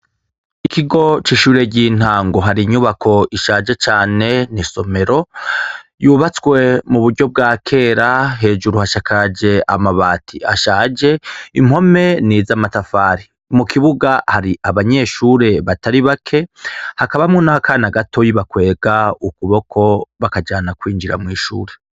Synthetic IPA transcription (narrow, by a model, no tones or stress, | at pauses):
ikʰiɡo̞t͡ʃiːʃuːɾe̞ɟin̥haːŋɡo̞ɦaɾiɲuːβakʰo̞ʔiʃaːd͡ʒe̞t͡ʃaːne̞niso̞me̞ɾo̞ | juːβat͡swe̞muβuɾɟo̞b̚ɡaːkʰe̞ːɾaɦe̞ːd͡ʒuɾuhaʃakʰad͡ʒe̞a̰maβaːtʰiaʃaːd͡ʒe̞im̥ho̞me̞niːzamatafaːɾi | mukʰiβuɡahaɾiʔaβaɲe̞ʃuːɾe̞βataɾiβakʰe̞hakaβamŋonakʰaːnaɡatʰo̞jiβakwe̞ːɡaukuβo̞kʰo̞βakad͡ʒaːnakwiːŋɡiɾa̰mŋiːʃuːɾe